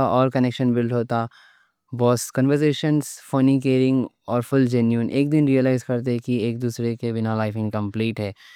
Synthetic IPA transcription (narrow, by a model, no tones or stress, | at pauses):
aʔɔːɾkɐnɛkʃənbɪlʈɦoːt̪a | bɔːskə̃nʋəɾzeːʃənzfoːnik̬eːɾɪ̃ŋɡɔːɾfʊld͡ʒɛnjuənʔeːk̚d̪ɪnɾiːəlaːɪzkɐɾt̪̬eɦɛkieːk̚d̪uːsɾekebɪnalaːɪfɪ̃ŋɡkɐ̃mpliːʈɦɛː